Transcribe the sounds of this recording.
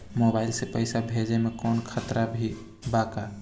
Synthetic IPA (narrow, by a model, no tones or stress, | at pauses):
moːbaːɪlsepəɪsabʱeːd͡ʒemẽkɔːnkʰət̪ɾabʱi | baːkaː